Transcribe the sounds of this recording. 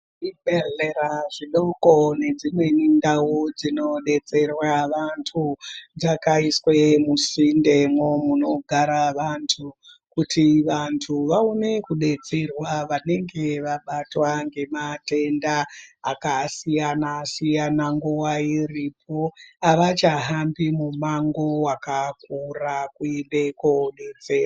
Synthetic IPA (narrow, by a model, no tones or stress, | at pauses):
iɓeɮeɾaʐiɗoko̞ne̞d͡zimwe̞nindawod͡zino̞ɗe̞t͡se̞rwaʋantʰud͡zakaiswe̞musinde̞momuno̞ɡʱaɾaʋantʰu | kutʰiʋantʰuʋaune̞kuɗe̞t͡se̞rwaʋane̞ŋɡe̞ʋaɓatwaŋɡe̞mate̞ndaːkasijanasijanaŋɡuwairipʰo̞aʋat͡ʃaɦambimumaŋɡo̞wakak̚urakuimbe̞koɗe̞t͡se̞ːra